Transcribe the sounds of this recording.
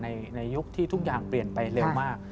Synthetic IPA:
na˧jna˧jːu˦˥k̚t̪ʰiː˥t̪ʰu˦˥k̚jaː˨˩ŋpli˨˩ənpa˧jɾe˧wmaː˥˩k̚

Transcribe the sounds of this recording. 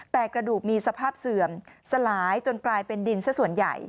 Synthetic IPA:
t̪ɛː˨˩kɾa˧duː˨˩k̚miː˧sa˧pʰaː˥˩p̚sɯ˨˩əmsa˧laː˩˦jt͡ɕo˧nklaː˧jpe˧ndi˧nssu˨˩ənja̰˨˩j

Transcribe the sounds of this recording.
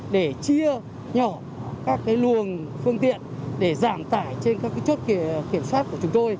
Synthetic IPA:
ɗe˧˩t͡ɕi˧ə | ɲɔ˧˩˦ | kaː˦˥kːaː˨˦jlu˨˩ənfɨ˧əŋt̪ḭ˧˨ənɗe˧˩zaː˧˩mt̪a̰ː˧˩jt͡ɕe˧nkaː˦˥kːaː˨˦jt͡ɕo˦˥t̚ki˧˩əmswaː˦˥t̚ku˧˩ət͡ɕʊ˨˦ŋ͡mt̪o˧j

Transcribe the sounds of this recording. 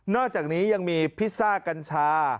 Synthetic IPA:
nɔː˥˩k̚t͡ɕaː˨˩k̚niː˦˥ja˧ŋmiː˧pʰi˦˥saː˥˩ka˧nt͡ɕʰaː˧˥

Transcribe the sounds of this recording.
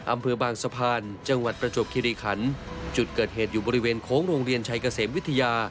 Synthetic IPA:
ʔa˧mpʰɤː˧baː˧ŋsa˧pʰaː˧nt͡ɕa˧ŋwa˨˩t̪̚pɾa˧t͡ɕo˨˩p̚kʰi˧ɾiː˧kʰa˩˦nt͡ɕu˨˩t̪̚kɤː˨˩t̪̚ɦeː˨˩t̪̚juː˨˩bɔː˧ɾi˦˥weː˧nkʰoː˦˥ŋɾoː˧ŋɾi˧ənt͡ɕʰa˧jka˧seː˩˦mwi˦˥t̪ʰːa˧jaː˧

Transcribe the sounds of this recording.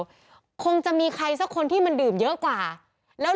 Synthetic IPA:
kʰo˧ŋt͡ɕa˨˩miː˧kʰa˧js̬a˦˥kʰːo˧nt̪ʰiː˥˩ma˧ndɯː˨˩mjɤ˦˥ʔkwaː˨˩ | lɛː˦˥

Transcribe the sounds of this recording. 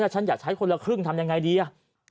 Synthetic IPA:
la˧˩t͡ɕʰa˦˥njaː˨˩k̚t͡ɕʰa˦˥jkʰo˧nla˧kʰɾɯ˥˩ŋt̪ʰa˧mja˧ŋːa˧jdiː˧ʔa˧˩

